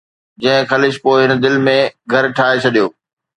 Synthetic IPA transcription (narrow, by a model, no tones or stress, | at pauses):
d͡ʑɐ̃ɦɪ̃xɐlɪʃpoːɪɦɪn̆d̪ɪlmẽɡʱɐɾʈʰaːet͡ɕʰɐɗijoː